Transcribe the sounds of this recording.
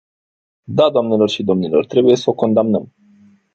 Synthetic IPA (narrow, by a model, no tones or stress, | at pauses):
d̪ad̪oamne̞lo̞rʃid̪o̞mnilo̞rt̪ɾe̞buje̞səoko̞nd̪amnəm